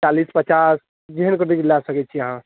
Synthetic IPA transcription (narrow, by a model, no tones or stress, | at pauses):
t͡ʃalispət͡ʃas | d͡ʒiɦənkəʈikilasəkɛt͡ʃʰijəɦã